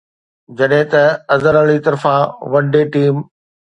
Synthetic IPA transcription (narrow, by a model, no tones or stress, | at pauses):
d͡ʑɐɗɦɪ̃t̪ɐɐzəɾəɭit̪ɐɾfãʋɐɳɖeːʈiːm